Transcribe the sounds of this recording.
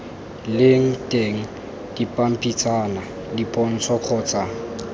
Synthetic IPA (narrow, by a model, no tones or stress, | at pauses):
lɪŋ̩tʼeŋ̩ | d̥ipʼam̩pʼit͡sʼana | dipʼɔn̩sʰɔq͡χʰɔːt͡sʼaŋ